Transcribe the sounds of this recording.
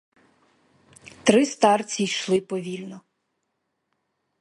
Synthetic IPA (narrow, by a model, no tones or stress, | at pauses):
t̪ɾɪst̪ɑrt͡sʲijʃlˠɪpɔʋʲilʲnɔ